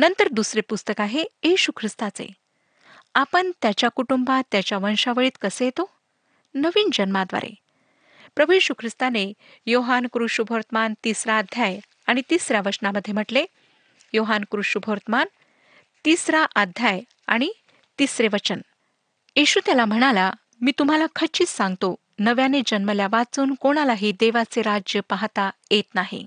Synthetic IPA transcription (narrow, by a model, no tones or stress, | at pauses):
nənt̪əɾd̪usɾepust̪əkaɦeeɕukʰɾist̪at͡sḛ | apəɳt̪jat͡ɕjakuʈumbat̪jat͡ɕjaʋənʂaʋəɭiːt̪kəsejet̪o | nəʋiːnd͡ʑənmad̪ʋa̰ɾḛ | pɾəbʱujeɕukʰɾist̪ane | joɦankɾuʂubʱəɾt̪əmant̪isɾaːd̪ʱjaj | aɽ̃it̪isɾjaʋəɾt͡ɕnaməd̪ʱjem̤əʈle | joɦankɾuʂubʱoɾt̪man | t̪isɾaʔad̪ʱjaj | aɽ̃i | t̪isɾeʋət͡ɕən | eɕuːt̪jalam̤əɽ̃ala | miːt̪um̤alakʰət͡ɕiːt͡ssãŋɡt̪o | nəʋjaned͡ʑənməljaʋat͡suːnkoɽ̃alaɦiːd̪eʋat͡seɾad͡ʑjəpaɦat̪ajet̪naɦḭ